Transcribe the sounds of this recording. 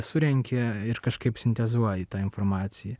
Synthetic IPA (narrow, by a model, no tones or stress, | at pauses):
sʊɾʲɛŋʲkʲeɪɾkɐʃkɐɪpsʲɪnʲt̪ʲɛzuɔjɪt̪ɑːɪnfoɾmɑːt̪sʲɪjɛ